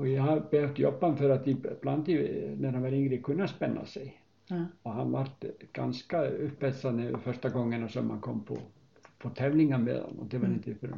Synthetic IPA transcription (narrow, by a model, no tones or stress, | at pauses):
ɔjɛhab̥ɛhœft̪jɔbːanfœɾat̪ib̥lant̪inɛɾhanʋaɾɪŋɡɾɪkʰʉnːaspɛnːa̰sɛ | ɔhanvaɾt̪ɡ̥a̰nskaʉpːɛt̪sanəfœʂt̪aɡɔŋːənɔsœmha̰nkʰɔmːpʰɔ̰ | fɔt̪ʰɛvlɪŋːamḛðha̰nːɔ̰d̪ɛvaɾɪnt̪əfœɾ